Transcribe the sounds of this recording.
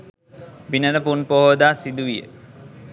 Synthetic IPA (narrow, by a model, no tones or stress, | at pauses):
binənəpunpoɦod̪aːsid̪uʋijə̰